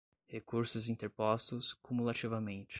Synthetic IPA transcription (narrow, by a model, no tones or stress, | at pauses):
hekuɾsʊzĩnt̪eɾpɔst̪ʊskʰumulat͡ʃivɐmẽnt͡ʃɪ̥